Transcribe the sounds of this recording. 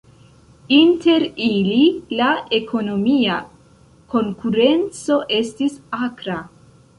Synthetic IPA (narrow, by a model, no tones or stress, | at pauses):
inte̞ɾililae̞kʰo̞no̞mia | ko̞ŋkuɾe̞nt͡so̞ʔe̞stisakɾa